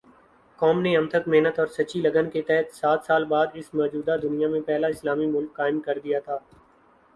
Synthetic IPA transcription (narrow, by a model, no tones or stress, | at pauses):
kɔːmneɐmt̪ʰəkmeɦnət̪ɔːɾsɐːt͡ʃilɐɡənket̪ɛɦt̪saːt̪ʰsaːlbaːd̪ɪsmɔːd͡ʒuːd̪ad̪ʊnijamẽpɛɦlaɪslaːmimʊlkːaːɪmkɐɾd̪ijat̪ʰaː